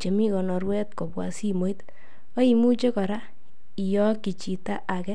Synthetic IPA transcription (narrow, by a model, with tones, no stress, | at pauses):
t͡ʃe˨mi˦kɔ˨nɔ˨ɾwɛ˦tkɔ˨bwa̰˨si˦mo˨˦i˦t | o˦i˨mu˦t͡ʃe˦kɔ˨ɾa˦ | i˨jɔ˦ki˨t͡ʃi˨ta˦ʔa˨kɛ˦